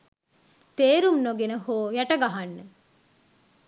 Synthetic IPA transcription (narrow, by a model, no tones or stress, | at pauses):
t̪eːɾumnoɡenəhoːjæʈəɡaɦanːe